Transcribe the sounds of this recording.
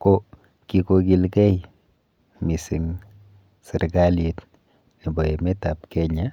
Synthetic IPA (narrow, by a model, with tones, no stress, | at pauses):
ko˦ | kiko˧ki˦lkɛ˦j | mi˨si˨ŋ | sɪ˨ɾɡali˨t | ni˨bɔ˨e˨mɛ˦tap̚kɛ˦ɲa